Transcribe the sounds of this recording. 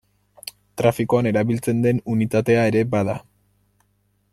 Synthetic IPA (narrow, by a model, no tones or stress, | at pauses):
t̪ɾafikoane̞ɾaβilt͡se̞nd̪e̞nunit̪at̪e̞ae̞ɾe̞baða